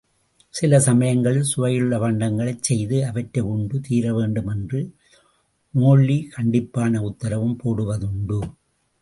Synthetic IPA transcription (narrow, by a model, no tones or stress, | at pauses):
sɪlɐsɐmɐjɐŋɡɐɭɪlsʊʋɐjɯɭːɐʋɐɳɖɐŋɡɐɭɐɪt͡ʃsɛjðɯɐʋɐʈːrɐɪʊɳɖɯt̪iːɾɐʋeːɳɖɯmɛndrɯ | noːɭːikɐɳɖɪpːaːnɐʊt̪ːɐɾɐʋɯmpoːɽɯʋɐðʊɳɖɯ